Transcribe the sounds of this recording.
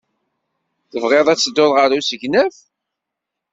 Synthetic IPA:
θəvʁeðˤæt͡sːəd̪ːoðʁəɾusəʝnæf

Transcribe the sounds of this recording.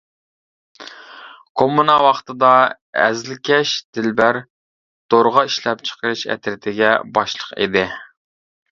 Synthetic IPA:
kʰomːunɑwɑχt̪ʰɨd̪ɑ | ɛ̰zlɪkʲʰɛʃd̪̥ɪlbæɾ | d̪̥oɾʁɑiʃlɛp̚t͡ʃʰə̥qəɾɨʃɛ̰t̪ɾɪt̪ʰɪɡʲɛbɑʃlˠəqḭd̪ɪ

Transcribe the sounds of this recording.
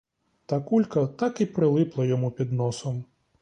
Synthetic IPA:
t̪ɐkulʲkɐt̪akipɾɪlˠɪplˠɐjɔmupʲid̪nɔsɔm

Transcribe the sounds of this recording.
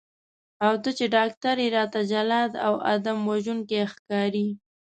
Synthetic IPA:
awt̪ət͡ʃeɖɑk̚t̪aɾeɾɑt̪ad͡ʒalɑd̪a̰wa̰d̪amwaʒuŋkexkɑɾi

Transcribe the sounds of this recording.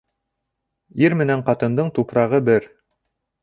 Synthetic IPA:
iɾmɘ̆næɴqɑt̪ɤ̆nd̪ɤɴt̪upɾɑʁɤbɘɾ

